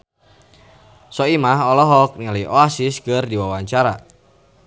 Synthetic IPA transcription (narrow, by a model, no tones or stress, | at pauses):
sɔimaɦɔlɔɦɔk̚nialəjʔɔasiskərdiwawaɲt͡ʃaɾa